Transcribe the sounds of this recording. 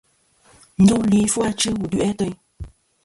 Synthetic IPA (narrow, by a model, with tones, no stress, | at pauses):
n̩˦du˦li˨˦fu˦a˧t͡ʃɨ˦wu˨dʉ˦ʔɛ˦tə˦j